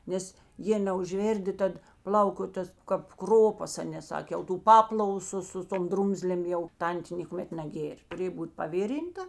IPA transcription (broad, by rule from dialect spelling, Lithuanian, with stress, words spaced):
ˈnʲɛs ˈjeː nʲɛʊʒʲˈʋʲeːrʲdʲɪ ˈtɐt ˈplˠɐʊkoː ˈtɐs kɐp ˈkroːpɐs ˈɑːˌnʲeː ˈsɑːkʲeː jɛʊ tuː ˈpɑːplˠɐʋʊ ˈsʊ sʊ ˈtoːm ˈdrʊmʲzʲlʲeːm ˈjɛʊ ˈtɐnʲtʲeː nʲeːkʊˈmʲɛt nɐˈɡʲeːrʲ tʊˈrʲeːj ˈbuːt pɐˈʋʲɪrʲɪntɐ